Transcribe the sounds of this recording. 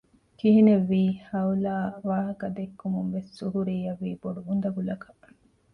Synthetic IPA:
kiɦineʋːiːhɐulaːʋaːɦɐkɐd̪ekːumumʋessuɦuɾiːɐʋːiːboɖuund̪ɐɡulɐkɐ

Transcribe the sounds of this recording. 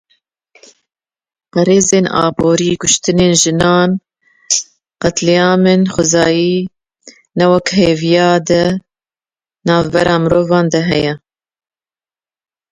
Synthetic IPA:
pɛɾeːzeːnɑ̰ːboːɾiːkʊʃt̪ɨneːnʒɨnɑːn | qɐt̪lɛjɑːmɨnxʊzɑːjiː | nɛwɛkɦeːvijɑːd̪ɨ | nɑːvbɛɾɑːmɨɾoːvɑːnd̪ɐɦɛjɛ

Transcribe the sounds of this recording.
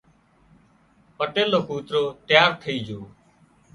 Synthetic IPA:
pəʈeːloːkuːt̪ɾoːt̪ɪjaːɾt̪ʰəiːd͡ʒʱoː

